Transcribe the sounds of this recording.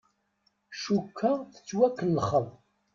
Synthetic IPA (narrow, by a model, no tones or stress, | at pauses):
ʃukʰːəθə̥t͡sːwækːənːəχəð